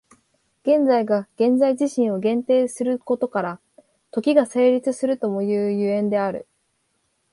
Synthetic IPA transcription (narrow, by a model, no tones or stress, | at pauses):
ɡ̥ẽ̞nd͡zaiɡaɡ̥ẽ̞nd͡zaiʑiɕĩɰ̃o̞ɡẽ̞nt̪e̞ːsɨɾɯ̟ko̞t̪o̞kaɾa | t̪o̞kʲiɡase̞ːɾʲit͡sɨsɨɾɯ̟t̪o̞mo̞jɯ̟ːjɯ̟ẽ̞nd̪e̞aɾɯ̟̰